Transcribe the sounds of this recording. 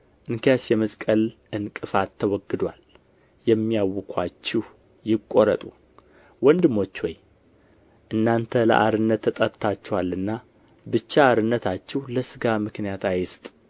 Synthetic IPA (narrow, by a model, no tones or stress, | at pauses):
ʔɨŋkjasjɛməskʼəlʔɨnkʼɨfat̪ʰːəwɔɡɨd̪wal | jɛmːijawːɨkʰat͡ʃːɪh | jɪkʼːoɾət̪ʼu | wɔnd̪ɨmːo̞t͡ʃːwɔj | ʔɨnːant̪ʰələ̰ʔaɾɨnːət̪ʰːət̪ʼəɾt̪ʰat͡ʃːɛwalːɨnːa | bɨt͡ʃːaːɾɨnːət̪ʰat͡ʃːɛwləsɨɡamɨknijat̪ajɪst̪ʼ